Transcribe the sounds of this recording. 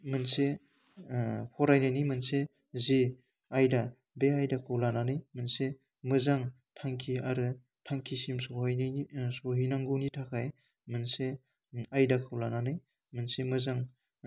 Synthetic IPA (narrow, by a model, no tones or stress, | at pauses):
mɯnse | pʰɔɾajnajnɯjmɯnse | zi | ajda | beajdakʰɯwlananɯjmɯnse | mɯzaŋ | tʰaŋkʰiaɾɯ | tʰaŋkʰisimsohjnisoɦijnaŋɡɯnitʰakʰaj | mɯnse | ajdakʰɯwlananɯj | mɯnsemɯzaŋ